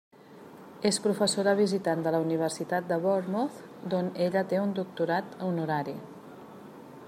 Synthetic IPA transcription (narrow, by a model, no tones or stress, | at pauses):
espɾufəsoɾəβ̞izit̪and̪ələuniβ̞əɾsit̪at̪̚d̪əβoɾmoθ | d̪oneʎət̪eund̪uk̚t̪uɾat̪unuɾaɾi